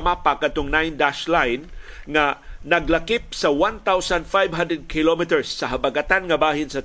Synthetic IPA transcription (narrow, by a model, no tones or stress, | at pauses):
mapakat̪oŋnajnd̪aʃlajnŋanɐɡlakɪp̚sɐwant̪awsand̪fajvɦãnd̪ɹɛd̪̚kʰɪlomɪt̪ɛɹsːɐɦabaɡat̪anŋɐbaːɦɪnsɐ